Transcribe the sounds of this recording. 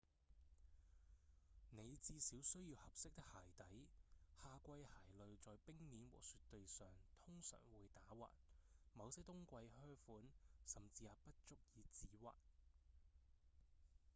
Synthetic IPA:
ne˨˧jt͡siː˧siː˨˥wsɵ˥ɥjiː˧whɐ˨p̚sɪ˥k̚t̪ɪ˥k̚haː˨˩jt̪ɐ˨˥jhaː˧kʷɐ˧jhaː˨˩jlɵ˨ɥt͡sɔː˨˧jpɪ˥ŋniː˨˥nwɔ̰ː˨k̚syː˧tt̪ːɵ˨˧ɥsœː˨ŋt̪ʰʊ˥ŋsœ̰ː˨˩ŋwuː˨˧jt̪aː˨˥wa̰ː˨t̚mɐ˨˧wsɐ˥t̪ʊ˥ŋkʷɐ˧jhœː˥fuː˨˥nsɐ˨˩mt͡siː˨jaː˨˩pɐ˥t̚t͡ʃʊ˥k̚jiː˨˧t͡siː˨˥wa̰ː˨t̚

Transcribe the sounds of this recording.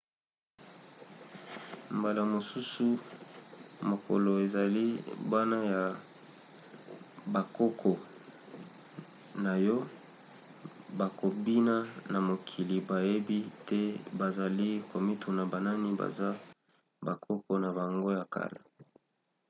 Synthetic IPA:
mba˨la˨mo˨su˦su˨ | mo˨ko̰˨lo˨e˨za˨li˦ba˦na˦ja˨ | ba˨ko˦kʰɔ˨ | na˨jɔ˦ | ba˨ko˨bi˦na˦na˨mo˨kʰi˨li˨ba˨je˦bi˦tɛ˦ba˨za˨li˦ko˨mi˦tʰu˨na˨ba˨na˦ni˦ba̰˨za˦ | ba˨kʰo˦kɔ˦na˨ba˨ŋɡo˦ja˨ka̰˦˨la̰˨

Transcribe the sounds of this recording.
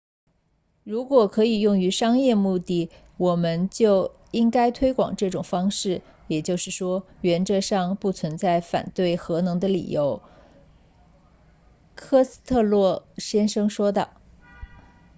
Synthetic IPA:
ɻu˧˥kwɔ˨˩kʰɤ˧˥i˨˩jʊ˥˩ŋy˧˥ʂɑ˥ŋjɛ˥˧mu˥˧t̪i˥˩ | wɔ˨˩mə˦nt͡ɕjo˥˩ʊ | i˥ŋka˥ɪt̪ʰwe˥ɪkwɑ̰˨˩ŋʈ͡ʂɤ˥˩ʈ͡ʂʊ˨˩ŋfɑ˥ŋʂɻ̩˥˩ | jɛ˨˩t͡ɕjo˥˧ʊʂɻ̩˥˩ʂwɔ˥ɥɛ˧˥nʈ͡ʂɤ˥˧ʂɑ˥˧ŋpu˥˩t͡sʰwə˧˥nt͡sa˥˩ɪfa̰˨˩nt̪we˥˩ɪxɤ˧˥nɤ˧˥ŋd̪ə˧lḭ˨˩jo˧˥ʊ | kʰɤ˥s̩˥t̪ʰɤ˥˧lwɔ˥˩ɕjɛ˥nʂɤ˥ŋʂwɔ˥d̪ə̰˨˩

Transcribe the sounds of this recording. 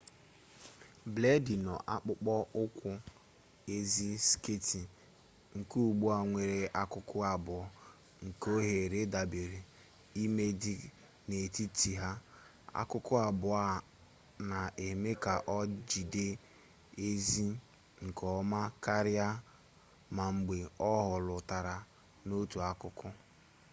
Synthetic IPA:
ble˦di˨nɔ˨ʔa˦k͡pʊ˦k͡pɔ˦ʔʊ˦kʷʊ˦ | e˦zi˦ske˦ti˨ | ŋ̩˨ku˦˨ɡ͡bu˦a˨ŋʷe˨ɾe˨a˦kʊ˦kʊ˦a˨bʊ˨ɔ˦ | ŋ̩˨ko˦ɦe˨ɾe˦da˨be˨ɾi˨ | i˦me˦dɪ˦ | ne˨ti˦ti˨ɦa˦ | a̰˦kʊ˦kʊ˦a˨bʊ˨a˦˨ | na˨e˨me˦ka˨ʔɔ˦d͡ʒi˨de˦ | e˦zi˦ | ŋ̩˨kɔ˨˦ma˦ka˦ɾja˦ | ma˨ŋ͡m̩˨ɡ͡be˨ɔ˦ɦʊ˨lʊ˨ta˨ɾa˨ | no˦tu˨a˦kʊ˦kʊ˦

